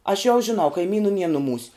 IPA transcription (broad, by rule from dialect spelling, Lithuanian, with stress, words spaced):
ɐʃ jɛʊ ʒʲɪˈnɐʊ kɐɪˈmʲiːnuː nʲiɛ nʊˈmuːsʲ